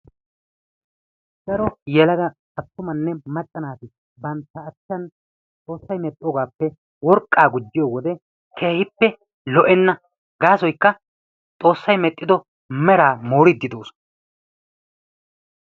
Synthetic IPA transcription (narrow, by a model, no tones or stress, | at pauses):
ɡ̥ɐɾɔjɛlɐɡɐ | ɐt̪ːʊmɐnːɛmɐt̪ʼːɐnaːt̪ɪ | bɐnt̪ːɐːt͡ʃːɐn | t͡sʼo̞ːsːɐjmɛt̪ʼːɪjɔɡaːpːɛ | wɔɾkʼːaːɡʊd͡ʒːɪjɔwɔd̪ɛ | kʰe̞ːhɪpːɛ | lɔʔɛnːɐ | ɡaːsɔjkːɐ | t͡sʼo̞ːsːɐjmɛt̪ʼːɪd̪ɔ | mɛɾaːmoːɾɪd̪ːɪd̪o̞ːsɔ̥n